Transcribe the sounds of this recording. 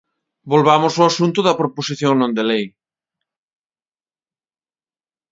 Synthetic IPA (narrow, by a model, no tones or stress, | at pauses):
bolβamʊsoasunt̪ʊðɐpɾoposiθjoŋnõnd̪elej